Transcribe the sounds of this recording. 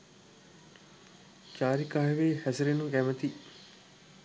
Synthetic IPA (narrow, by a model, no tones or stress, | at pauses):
t͡ʃaːɾikaːɦeʋeːhæsɐɾenukæmət̪i